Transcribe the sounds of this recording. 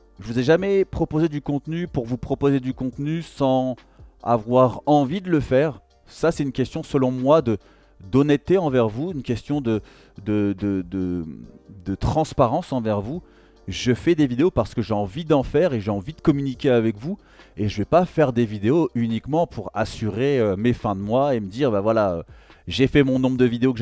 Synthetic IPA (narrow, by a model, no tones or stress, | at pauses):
ʒəvuzɛʒamɛpχɔpozed̪ykɔ̃t̪nypuʁvupχɔpozed̪ykɔ̃t̪nysɑ̃ | a̰vwaʁɑ̃vid̪ələfɛʁ | sasɛt̪ynkʲɛst̪jɔ̃səlɔ̃mwad̪ə | d̪ɔnɛt̪ːeɑ̃vɛʁvuynkʲɛst̪jɔ̃d̪ə | d̪əd̪əd̪ə | d̪ət̪χɑ̃spaʁɑ̃sɑ̃vɛʁvu | ʒəfɛd̪evid̪eopaʁsə̥kəʒeɑ̃vid̪ɑ̃fɛʁeʒeɑ̃vid̪əkɔmynikʲeavɛkvu | eʒəvɛpafɛʁd̪evid̪eoʔynikmɑ̃pʰuʁasyʁeømefɛ̃d̪əmwaeməd̪iʁbãvwalaø̰ʒefɛmɔ̃nɔ̃bʁd̪əvid̪eok